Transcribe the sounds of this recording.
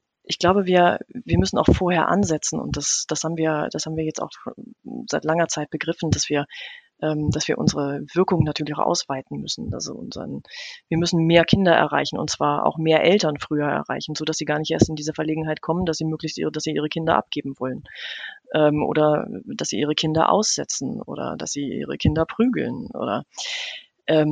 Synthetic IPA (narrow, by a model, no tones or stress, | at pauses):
ʔɪçɡ̥laʊbəviːɐviːɐmʏsn̩a̰ʊxfoːɐheːɐʔa̰nzɛt͡sn̩ʊ̰nt̚d̥asd̥ashaːbm̩viːɐd̥ashaːbm̩viːɐjɛt͡sta̰ʊx | z̥aɪtlaŋɐt͡saɪt̚b̥əɡʁɪfn̩dasv̥iːɐʔɛːmd̥asv̥iːɐʔʊ̰nzəʁəv̥ɪɐkʊŋənatʰyːɐlɪçaʊʔa̰ʊsv̥aɪtn̩mʏ̰sn̩ʔa̰lzo̰ʔʊ̰nz̰ə̰nviːɐmʏsn̩meːɐkʰɪndɐʔɛ̰ɐʁa̰ɪçn̩ʊ̰ntt͡sv̥aːɐʔa̰ʊxmeːɐʔɛltɐnfʁ̥yːɐɛ̰ɐʁa̰ɪçn̩zoːdasz̥iːɡaːɐnɪçtʔeːɐstɪndiːzɐfɛɐleːɡŋ̩ɦaɪtkʰɔməndasz̥iːmøːklɪçstḭːdasz̥iːʔiːʁ̞əkʰɪndɐ̰ʔa̰p̚ɡ̥eːbm̩vɔlənʔɛːmʔo̰ːdɐd̥asz̥iːʔiːʁ̞əkʰɪndɐ̰ʔa̰ʊsz̥ɛ̰t͡sn̩ʔo̰ːdɐ̰da̰sz̥iːʔḭːʁə̰kʰɪndɐpʁ̥yːɡl̩nʔo̰ːdɐ̰ | ʔɛːm